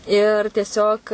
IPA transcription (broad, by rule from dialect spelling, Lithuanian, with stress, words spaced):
ɪr tʲiɛˈsʲoːk